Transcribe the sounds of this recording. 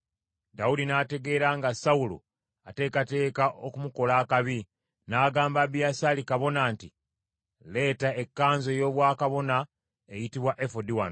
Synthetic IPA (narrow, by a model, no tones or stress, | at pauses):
daudinaːte̞ɡe̞ːɾaŋɡasaulo̰ | ate̞ːkate̞ːkaʔokumuko̞laːkaβi | naːɡaːmbabiasalikaβo̞naːnti | le̞ːtaekːaːnzo̞jo̞ːβwaːkaβo̞na | ejitiβwaʔefodiwan